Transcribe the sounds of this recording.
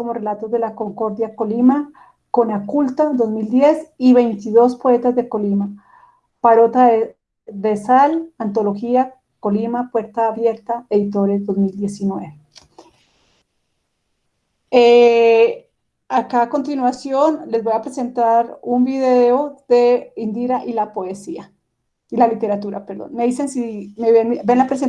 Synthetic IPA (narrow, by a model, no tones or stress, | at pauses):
komo̞re̞lat̪ozd̪e̞lako̞ŋko̞ɾðjako̞lima | ko̞nakult̪ad̪o̞zmild̪je̞siβe̞jnt̪iðo̞spo̞e̞t̪azd̪eko̞lima | paɾo̞t̪a | d̪esalant̪o̞loxia | ko̞limapwe̞ɾt̪aːβje̞ɾt̪aeðit̪o̞ɾe̞zd̪o̞zmild̪je̞sinweβeβe | e | akaːko̞nt̪inwasjo̞nle̞zbo̞japɾese̞nt̪aɾumbiðe̞od̪e̞ind̪iɾaʔilapo̞esia | ilalit̪e̞ɾat̪uɾapeɾðo̰nme̞ðise̞nsimeβenbenlapɾes̬e